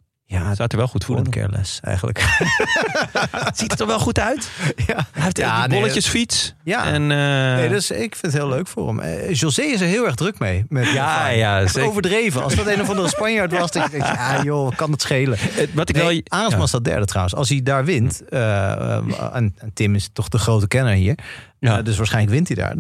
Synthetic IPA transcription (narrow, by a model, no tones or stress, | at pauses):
jasatəɹʋɛlˠχutfuləntkʰɛ̰ɹlɛ̰sɛ̰jχən̩lə̰k | z̥ittːɔʋɛlˠχutœɥtjaɛftbɔləjəsfitsja̰ɛ̰nnejdøsɪkfɪnətɦɪːløɥkfʊ̰ːrə̰m̰ʒolsejɪs̬əɹɦɪːlˠɛɹɣdrøkmejmɛtajaowvəɹdrejvənɑ̰lsdɔtenəvɑndəəspɑɲjaɹtʋɑsdɑjəzɛŋjajokɑnətsχejləʋɑtɪkʋɛlˠaːənmɑnɪsdɔt̚dɛ̰ɹdətrawənsɑ̰lˠsidaːɹʋɪntə̰ | a̰nantɪmɪstɔχdəχrowtəkɛnəɹɦiːɹ | døs̬ʋaːsχɛjnləkʋɪntida̰ːɹ